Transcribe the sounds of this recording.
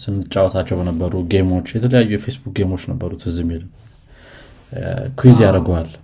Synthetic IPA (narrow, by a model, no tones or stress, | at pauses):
sɨnːɨt͡ʃʼːawɔt̪ʰat͡ʃːɛwbənəbːəɾuɡe̞mo̞t͡ʃːjɛt̪ʰələjajːujɛfe̞sbuk̚ɡe̞mo̞t͡ʃːnəbːəɾut̪hɨzɨmilm | kʰwizjaɾəɡwal